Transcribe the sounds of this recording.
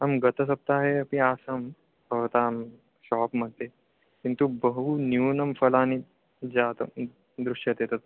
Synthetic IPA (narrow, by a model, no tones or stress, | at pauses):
amɡɐt̪əs̬ɐp̚t̪aɦeɐpĩaːsɐm | bəʋt̪am | ʃɔːpm̤ɐɽt̪e | kint̪ubəɦunjuːnɐmfɐlaːni | d͡zaːt̪ɐ̰ | d̪ɾuʂjɐt̪eːt̪ət̪̚